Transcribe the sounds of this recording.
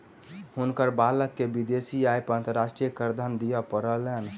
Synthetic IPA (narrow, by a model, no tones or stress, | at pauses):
hunkəɾbaləkːebid̪esiajpãnt̪əɾaʃʈɾijəkəɾd̪ʱənd̪ijəpəɾəlen